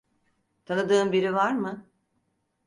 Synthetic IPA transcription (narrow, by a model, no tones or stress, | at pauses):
t̪ʰanɯd̪ɯːmbiɾivaɾmɯ